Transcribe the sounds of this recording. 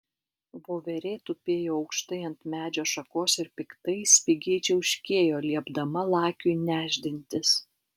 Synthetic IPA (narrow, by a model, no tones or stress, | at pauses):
ʋoːʋʲɛɾʲeːt̪ʊpʲeːjoːɐʊkʃt̪ɐɪɐnt̪mʲæːd͡ʒʲoːʃɐkoːsɪɾpʲɪkt̪ɐɪsʲʋʲɪɡʲiːt͡ʃʲɛʊʃʲkʲeːjoːlʲiɛbd̪ɐmɐlˠɑːkʲʊnʲæːʒʲd̪ʲɪnʲt̪ʲɪs